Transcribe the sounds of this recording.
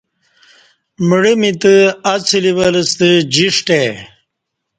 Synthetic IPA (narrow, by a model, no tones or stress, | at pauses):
məɽəmit̪əɐt͡sʰiliwɐləst̪əd͡ʑiʂʈe